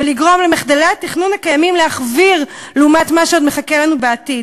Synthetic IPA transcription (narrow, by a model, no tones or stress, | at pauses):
veliɡʁo̞mlemeχd̪aleatiχnunhakajamimleaχviʁ | leumatmaʃeodmeχakelanubeatid